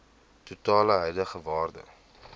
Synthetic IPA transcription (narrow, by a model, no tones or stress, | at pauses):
tutɑːləɦœjləχəvɑːrdə̰